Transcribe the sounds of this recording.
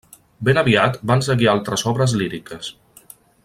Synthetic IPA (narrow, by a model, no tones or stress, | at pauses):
benəβiat̪bans̬əɣialˠt̪ɾəzɔβɾəzliɾikəs